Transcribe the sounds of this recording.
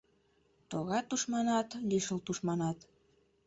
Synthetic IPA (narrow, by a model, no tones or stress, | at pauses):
t̪oɣɑt̪ːuʃmɑnɑt̪liʃəlt̪uʃmɑnɑt̪